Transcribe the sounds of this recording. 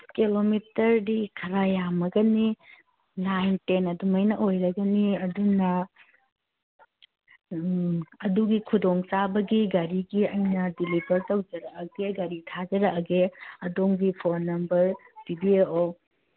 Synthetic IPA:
kilomitɐɾdikʰɐɾajamɐɡɐni | najntenɐdumɐjnɐʔojɾɐɡɐniɐdunɐ | ɐduɡikʰudoŋt͡ʃabɐɡiɡɐɾiɡiɐjnɐdilibɐɾtɐwd͡ʒɐɾɐʔɐɡeɡɐɾitʰad͡ʒɐɾɐʔɐɡeɐdoŋɡipʰoɾnɐmbɐɾb̥ibieo

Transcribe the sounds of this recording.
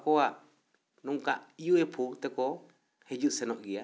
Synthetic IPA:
koa | nũŋkaiuepʰut̪ɛkɔ | hed͡ʒuʔsɛnɔʔɡia

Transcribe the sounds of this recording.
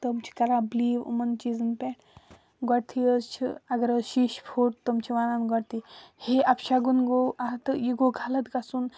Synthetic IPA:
t̪əmt͡ʃʰi̥kɐɾabliːʋṵmɐnt͡ʃiːzɨnpʲeʈ | ɡɔɽt̪ʰiəzt͡ʃʰḭɐɡəɾəʃiʃpʰoʈ̚t̪əmt͡ʃʰiʋaːnaːnɡɐɽt̪iheʔɐpʃaɡunɡoʔat̪ɨjiɡoɡʱaːlɐt̪ɡasun

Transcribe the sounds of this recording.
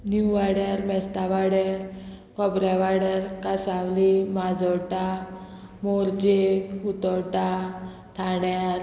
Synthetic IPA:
njuʋaɽaɾmɛst̪aʋaɽeɾ | kɔbɾaʋaɽəɾkasawlimad͡zɔʈa | moɾd͡ʑeɦut̪ɔʈa | t̪ʰaɽaɾ

